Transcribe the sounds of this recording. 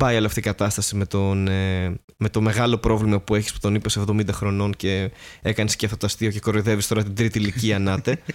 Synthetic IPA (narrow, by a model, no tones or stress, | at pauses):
pɐjoloɐft̪iikɐt̪ɐst̪ɐsime̞t̪one | me̞t̪o̞me̞ɣɐlo̞pɾo̞vlimɐpue̞çispu̥t̪o̞nipese̞vðo̞mind̪ɐxɾo̞no̞nce̞e̞kɐnesceɐft̪ot̪oɐst̪io̞ce̞ko̞ɾiðe̞vist̪o̞ɾɐt̪id̪ɾit̪iliciɐnɐt̪e̞